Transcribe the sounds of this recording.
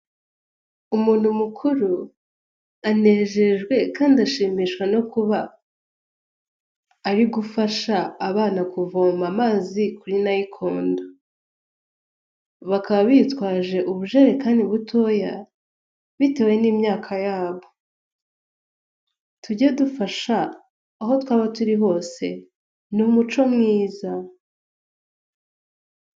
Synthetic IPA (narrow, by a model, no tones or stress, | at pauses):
umuːn̥humukʰuɾu | ane̞ːʒe̞ʒɡwe̞kaːndiaʃiːmiʃkweno̞kuβa | ɾiɡufaʃaːβaːnakuvoːmamaːzikuɾinajikʰo̞ːndo | βakaβaβitwaːʒe̞ʔuβuʒeɾe̞kaːndiβutʰo̞ja | βite̞we̞niːmɲaːkʰajaːβo̞ | tuɟedufaʃaː | ɦo̞twaːβatuɾiho̞ːse̞ | numut͡ʃo̞mŋiːza